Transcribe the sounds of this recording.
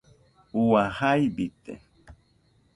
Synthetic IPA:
uwahajbit̪ḛ

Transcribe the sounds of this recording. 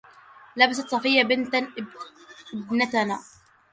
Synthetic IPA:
labasat̪sˤɑfɪjːabɪnt̪a | ʔɪbnat̪anaː

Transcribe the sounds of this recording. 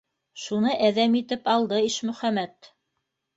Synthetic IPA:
ʃunɤʔæðæmit̪ɘpɑlˠd̪ɤiʃmɵ̆χæmæt̪

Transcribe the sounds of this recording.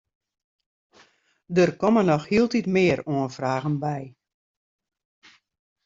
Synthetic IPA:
dərkɔmənɔxhiəlˠtitmɪːəɾoənfraːɣənbɛj

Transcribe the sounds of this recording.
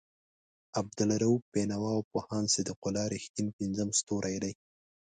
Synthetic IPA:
ab̚d̪ʊlaɾawpenawɑwpohɑnsɪd̪iqʊlɑɾixt̪inpinzəmst̪oɾʔajd̪aj

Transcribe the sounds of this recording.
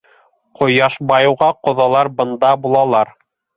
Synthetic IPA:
qʰŏjɑʃbɑjɤ̆wʁɑqŏðɑlˠɑɾbɤ̆nd̪ɑbulˠɑlˠɑɾ

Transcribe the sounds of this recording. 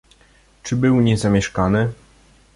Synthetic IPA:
t͡ʂɘbɘwɲɛzamʲjɛʂkanɘ

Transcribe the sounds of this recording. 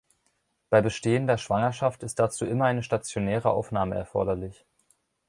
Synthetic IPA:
b̥aɪbəʃteːəndeːɐʃv̥aŋɐʃaftɪst̚d̥at͡suːʔɪmɐaɪnəʃtat͡sjonɛːʁ̞əʔa̰ʊfnaːməɛ̰ɐfɔ̰ɐɾɐlɪç

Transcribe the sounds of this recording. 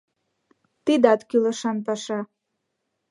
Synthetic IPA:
t̪id̪ɑt̪kylə̆ʃɑnpɑʃɑ

